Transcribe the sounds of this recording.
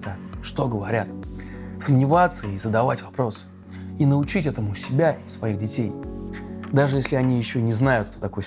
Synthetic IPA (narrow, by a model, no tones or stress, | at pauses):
t̪əʂt̪o̞ɡəvɐɾʲat̪səmnʲɪvat̪sːəizəd̪ɐvatʲvɐpɾo̞sɨ̥ | inəʊt͡ɕitʲɛt̪əmʊsʲɪbʲasvɐiɣdʲɪtʲej | d̪aʐɨjesʲlʲɪɐnʲijɪɕːo̞nʲɪznajʊt̪ɛ̥t̪ət̪ɐko̞j